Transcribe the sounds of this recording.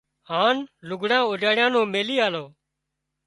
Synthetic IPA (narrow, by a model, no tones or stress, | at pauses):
haːnlʊɡʱɽãːoːd͡ʒaːɽɪjãːnõːmeːliːaːloː